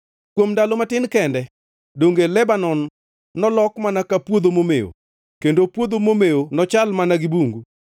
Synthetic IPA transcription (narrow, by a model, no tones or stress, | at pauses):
kwomdalomatɪnkɛndɛ | doŋɡelɛbanɔnː | ɔlɔkmanakapwod̪omomejo̰ | kendopwod̪omomeonɔt͡ʃalmanaɡɪbuŋɡu